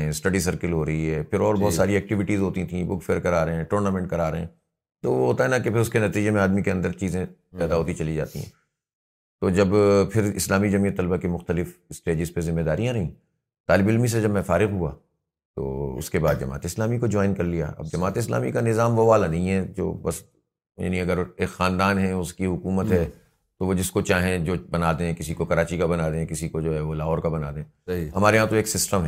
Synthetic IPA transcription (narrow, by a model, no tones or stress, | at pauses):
ɛ̃sʈɐɖisɐɾkəlɦoːɾɐɦiɦɛːpʰɪɾɔːɾbɔɦːt̪saːɾiɛːk̚ʈɪʋɪʈiːzɦoːt̪it̪ʰĩbʊkfeɾkɐɾaːɾɐɦɛ̃ːʈoːɾnaːmɛ̃ːɳʈ̚kɐɾaːɾɐɦɛ̃ː | t̪oʋoɦoːt̪aɦɛnɐkepʰɪɾʊskenɐt̪iːd͡ʒemẽaːd̪mikeɐ̃nd̪əɾt͡ʃiːzẽ | pɛːd̪aɦoːt̪it͡ʃɐlid͡ʒa̰ːt̪ḭɦɛ̰̃ː | t̪oːd͡ʒɐbpʰɪɾɪ̰slaːmid͡ʒɐmijət̪ːɐlbakimʊxt̪əlɪfsʈeːd͡ʒɪzpezɪmːed̪aːɾijãɾɐɦĩ | t̪aːlɪbɪlmis̬ed͡ʒɐbmɛ̃faːɾɪɣɦua̰ː | t̪o̰ːʊ̰skeba̰ːd̪d͡ʒɐma̰ːt̪eɪslaːmikod͡ʒɔːɪnkɐɾlija̰ʔɐ̰b̚d͡ʒɐmaːt̪eɪsla̰ːmḭkanɪzaːmʋoʋaːlanɐɦĩɦɛd͡ʒo̰ːbɐs | ja̰ːniɐɡəɾeːkxãːnd̪aːnɦɛʊskiɦʊkuːmət̪ɦɛ | t̪oʋod͡ʒɪskot͡ʃaːɦẽd͡ʒoːbɐnaːd̪ẽɛ̃kɪsikokɐɾaːt͡ʃikabɐnaːd̪ẽkɪsikod͡ʒoːɦɛʋolaːɦɔːɾkabɐna̰ːd̪ẽ | ɐɦiɦɐmaːɾeɦãt̪oeːksɪsʈəmɦɛː